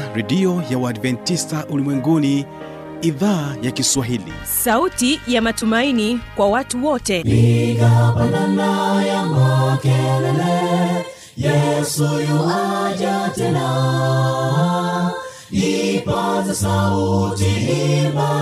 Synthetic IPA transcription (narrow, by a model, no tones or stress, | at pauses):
ɾɛdiɔjawaadvɛntistaʔulimwɛŋɡuni | iðaːjakiswaɦilḭ | sautijamatumainikwawatuwɔtɛikapananajamakɛlɛlɛ | jɛsujuhad͡ʒatɛna | ipazasautiima